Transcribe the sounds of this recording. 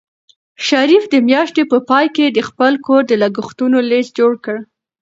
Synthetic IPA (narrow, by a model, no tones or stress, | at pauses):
ʃaɾifd̪əmjɑʃt̪epəpɑjked̪əxpəlkoɾd̪əlaɡʊxt̪unolesd͡ʒoɽkəɽ